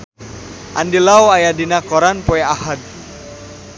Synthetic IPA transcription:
ʔa̰ndilawajadinakɔɾanpoeahad̪̚

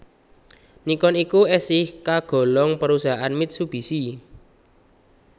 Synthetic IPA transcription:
nikɔnikuɛsɪhkaɡ̥ɔ̤lɔŋpəɾusaɦaanmit̪̚sub̥i̤si

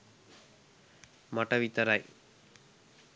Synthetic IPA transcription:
mɐʈɐʋit̪ɐɾaj

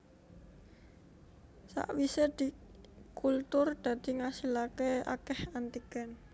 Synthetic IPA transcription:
sa̰ʔwised̪̥i̤kʰult̪ʊrd̪̥a̤d̪̥i̤ŋasilakea̰kɛhant̪ikɛn

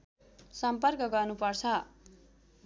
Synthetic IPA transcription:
sʌmpʌrkʌɡʌrnupʌrt͡sʰʌ

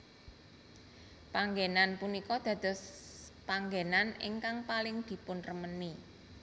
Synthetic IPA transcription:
paŋɡenanpunikɔd̪̥ä̤d̪̥ɔ̤spaŋɡenanɪ̰ŋkaŋpalɪŋd̪̥i̤pʊnrəməni

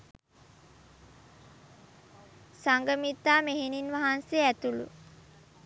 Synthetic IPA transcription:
saŋɡəmit̪ːaːmeɦininʋaɦanseæt̪ulṵ

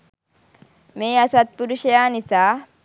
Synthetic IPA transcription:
meːɐsɐt̪̚bʊd̪ʊʃɛjaːnɪsaː

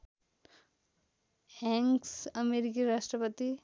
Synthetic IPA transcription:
ɛŋsəmeɾik̬iɾaʃʈɾəpət̪i

